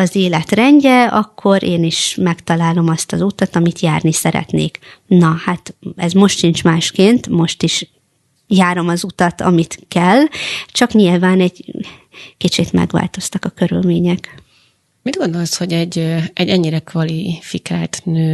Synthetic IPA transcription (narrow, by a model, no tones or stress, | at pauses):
ɒzeːlɛt̪rɛɲɟɛɒ̰kʰːo̞ɾʔeːniʃmɛkt̪ɒlaːlo̞mɒst̪ɒzut̪ɒt̪ɒmit̪jaːrnisɛɾɛ̰t̪nḛːknɒhat̪ɛzmo̞ʃt̪ʃint͡ʃmaːʃkeːnt̪mo̞ʃt̪iʃ | jaːɾo̞mɒzut̪ɒt̪ɒ̰mit̪kɛlt͡ʃɒkɲilvaːnɛɟ | kit͡ʃit̪mɛ̰ɡʋa̰ːlt̪o̞st̪ɒkɒkøɾy̰lmeːɲɛk | mid̪̚ɡo̞nd̪o̞lsho̞ɟɛɟɛɟɛɲːiɾɛkʋɒlifikʰaːlt̪nøː